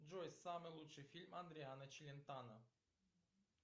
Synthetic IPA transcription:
d͡ʒojsamelut͡ʃefilʲmand̪ɾianət͡ʃilʲent̪anə

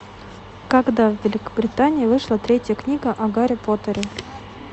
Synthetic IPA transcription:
kaɡd̪avːʲɪlʲɪkə̥bɾʲɪt̪anʲɪːvɨʂlˠat̪ɾʲetʲjəknʲiɡəʔɐɡaɾʲɪpot̪əɾʲɪ

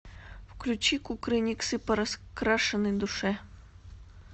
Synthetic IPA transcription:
wklʲut͡ɕikukɾɪnʲiksɨpɐɾɐskɾaʂɨnɨd̪ʊʂɛ

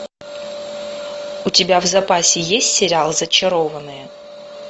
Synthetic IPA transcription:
ʊtʲɪbʲavzɐpasʲɪjesʲtʲsʲɪɾʲɪalˠzət͡ɕɪɾovənːɨjə

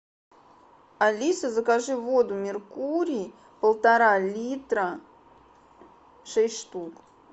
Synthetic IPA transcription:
ɐlʲisəzəkaʐɨvod̪ʊmʲɪrkuɾʲiː | pəlˠt̪ɐɾalʲit̪ɾə | ʂɛsʲtʲʂt̪uk

